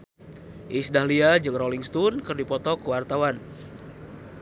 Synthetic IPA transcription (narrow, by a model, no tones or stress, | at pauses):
ʔisdahliad͡ʒɨŋrɔliŋst̪unkɨrdipɔt̪ɔkəwart̪awan